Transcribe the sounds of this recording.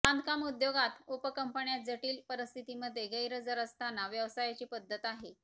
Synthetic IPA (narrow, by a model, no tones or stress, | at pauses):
and̪kamud̪joɡat̪upəkəmpəɳjad͡zəʈiːlpəɾəst̪ʰit̪iməd̪ʱːeɡəjɾəd͡zəɾəst̪ʰanaʋjəʋsajat͡ɕiːpəd̪ʱːət̪aɦe